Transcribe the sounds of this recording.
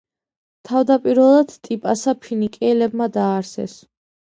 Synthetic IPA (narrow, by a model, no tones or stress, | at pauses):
t̪ʰavd̪apʼiɾvɛlˠad̪̥t̪ʼipʼasapʰinikʼɛɛlɛbmad̪aːɾsɛ̰s